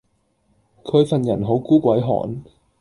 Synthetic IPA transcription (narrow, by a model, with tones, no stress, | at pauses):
kʰɵ˨˧ɥfɐ˨njɐ˨˩nɦo˨˥wkuː˥kʷɐ˨˥jɦɔ̰ː˨˩n